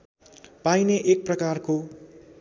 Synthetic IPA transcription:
pajneʔek̚prʌkarko

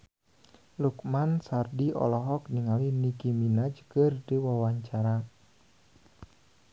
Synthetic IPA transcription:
lukmansardiʔɔ̰lɔɦɔk̚niŋalinikiminad͡ʒkɨrdiwawaɲt͡ʃaɾa

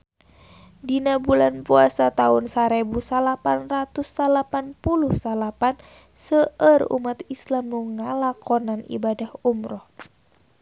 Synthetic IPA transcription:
dinabulanpuasat̪aunsaɾebusalapanrat̪usːalapanpuluhsalapan | səərṵmat̪islamnuŋalakɔnanḭbadahumɾɔh

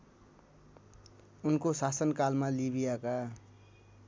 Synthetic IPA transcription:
unkosasʌnkalmalibijaka

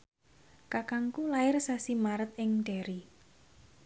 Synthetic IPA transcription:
kakaŋkulaɪrsasimaɾət̪̚ɪŋɖ̥ɛ̤ɾi

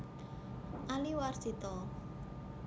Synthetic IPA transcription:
ʔaliwarsit̪ɔ

